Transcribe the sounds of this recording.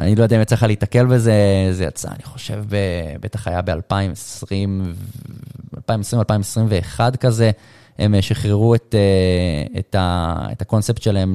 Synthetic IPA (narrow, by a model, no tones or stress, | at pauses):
a̰nilood̪aimet͡sleχalit̪ake̞lbe̞zezeja̰t͡sa̰a̰niχo̞̥ʃe̞̰vbebetaχajabe̞alpaimesʁimv | alpaimesʁimalpaimesʁimve̞ːχadkaze | emʃiχʁeʁuet̪eetaḛt̪ako̞nsept̪ʃelaem